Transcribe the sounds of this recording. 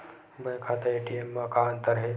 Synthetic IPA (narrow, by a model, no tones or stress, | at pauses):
bə̃j̃kʰat̪əeʈiemːãkaənt̪əɾɦe